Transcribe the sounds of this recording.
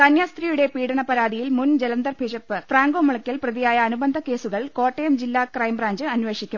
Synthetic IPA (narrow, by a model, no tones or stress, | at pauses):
t̪ɐnjaːst̪riːjuɽe̞piːɽɐɳɐpɐɾaːd̪ijilmund͡ʑelɐnd̪ɐrbʱiʂɐpːɨfraːŋɡo̞ːmɐɭɐkʲːɐlprɐðijaːjɐːnubɐnd̪ʱɐke̞ːsuɣɐɭko̞ːʈːejɐmd͡ʑilːaːkrɐjmbraːɲd͡ʑɨɐnʋe̞ːʂikʲːum